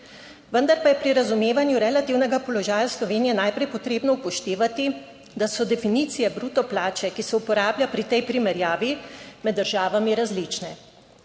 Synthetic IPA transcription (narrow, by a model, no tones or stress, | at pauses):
ʋənd̪aɾpajɛpɾiɾazumeːʋanjuɾɛlat̪iːwnɛɡapɔlɔʒaːjaslɔʋeːnijɛnajpɾɛjpɔt̪ɾeːbnɔupɔʃt̪eːʋat̪i | d̪asɔd̪ɛfiniːt̪sijɛbɾut̪ɔplaːt͡ʃɛkisɛupɔɾaːbljapɾit̪ɛjpɾimɛɾjaːʋimɛd̪ːəɾʒaːʋamiɾazlit͡ʃnɛ